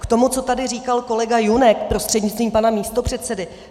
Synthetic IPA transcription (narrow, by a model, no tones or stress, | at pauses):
kt̪o̞mut͡so̞t̪adɪriːkalko̞lɛɡajunɛk̚pɾo̞st̪r̥ɛdɲɪt͡st̪viːmpanamiːst̪o̞pr̝̥ɛt̪t͡sɛdɪ